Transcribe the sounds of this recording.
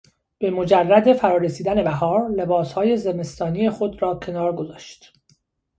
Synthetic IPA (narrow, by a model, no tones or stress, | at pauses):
b̥e̞mo̞d͡ʒærːæd̪e̞fæɾɒːɾesiːd̪æne̞bæɦɒːɾle̞bɒːshɒːje̞ze̞me̞st̪ʰɒːnije̞xo̞d̪ɾɒːcʰe̞nɒːɾɡo̞zɒːʃt̪